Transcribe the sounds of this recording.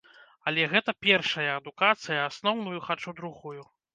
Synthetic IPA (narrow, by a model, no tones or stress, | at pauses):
ɐlʲɛɣɛt̪ɐpʲɛrʂɐjɐɐd̪ukat̪sɨjɐasnɔwnujuxat͡ʂud̪ɾuɣuju